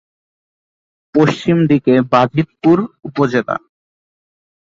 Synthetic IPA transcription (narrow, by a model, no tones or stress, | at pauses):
poʃt͡ɕimd̪ikebad͡ʑʱit̪̚puɾupod͡ʑela̰